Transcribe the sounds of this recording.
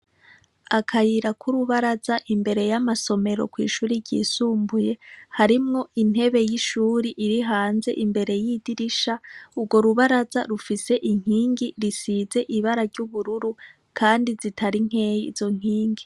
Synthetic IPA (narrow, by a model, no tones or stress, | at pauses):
akʰajiɾakʰuɾuβaɾazaʔimbe̞ɾe̞jamaso̞me̞ɾo̞̰kwḭːʃuːɾiɟḭːsuːmbuje̞haɾimŋo̞in̥he̞βe̞jiʃuːɾiʔiɾiɦaːnze̞̰ʔimbe̞ɾe̞jidiɾiʃaubɡo̞ɾuβaɾazaɾufise̞ʔiŋ̥iːŋɡiɾisize̞ʔiβaɾaɾɟuβuɾuɾu | kʰaːndizitʰaɾiŋ̥e̞jiz̥o̞ŋ̥iːŋɡi